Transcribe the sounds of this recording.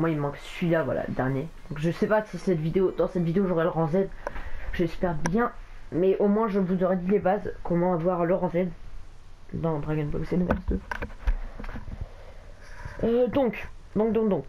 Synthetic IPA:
mwailmɑ̃ksɥilavwa̰la̰lə̰d̪ɛʁnjed̪̥ɔ̃kʒəsɛpasisɛt̪vid̪eod̪ɑ̃sɛt̪vid̪eoʒoʁɛlʁɑ̃zɛd̪ʒ̥əesy̥pɛʁbjɛ̃mɛʔomwɛ̃ʒəvuzoʁɛd̪ilebazkɔ̃mɑ̃avwaʁləʁɑ̃zɛd̪ | d̪ɑ̃d̪ʁaɡɔnbɔlsenəvɛ̰ʁsd̪ø | ød̪ɔ̃kd̪ɔ̃k̚d̪ɔ̃kd̪ɔ̃k

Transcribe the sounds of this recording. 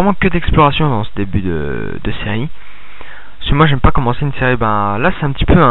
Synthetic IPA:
ʁɛmɑ̃kəd̪ɛksplɔʁasjɔ̃d̪ɑ̃səd̪ebyd̪ə̰ | d̪əseʁi | səmwaʒɛmpakɔmɑ̃seynseʁibɛ̃lasɛ̥t̪ɛ̃pət̪i̥pøɛ̃

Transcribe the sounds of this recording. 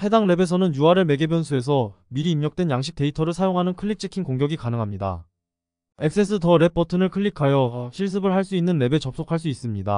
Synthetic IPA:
he̞daŋɾe̞be̞sʰʌnɯnjuaɾɯɭme̞ɡebjʌnsʰue̞s̬ʰʌ | miɾiːmɲʌk̚t͈we̞njaŋɕʰi̥k̚t͈e̞itʰʌɾɯɭsʰajoŋɦanɯnkʰɯʎːik̚t͡ɕ͈ʰikʰinkoŋɡjʌɡikanɯŋɦamɲida̰ | e̞k̚s͈e̞s͈ʰɯtʌɾe̞pʰʌtʰɯnɯɭkʰɯɭːikʰajʌɕʰiɭs̬͈ɯbɯɭɦaɭs͈uinːɯnːe̞be̞t͡ɕʌp̚s͈okʰaɭs͈uis͈ɯmɲida̰

